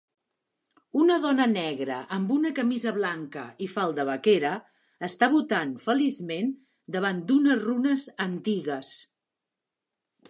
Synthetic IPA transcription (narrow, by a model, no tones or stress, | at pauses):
unəðɔnənɛɣɾə̰ʔəmbunəkəmizəβlaŋkə̰ifalˠd̪əβəkeɾəː | st̪aβut̪anfəlizmen | d̪əβ̞and̪unəzrunəzənt̪iɣəs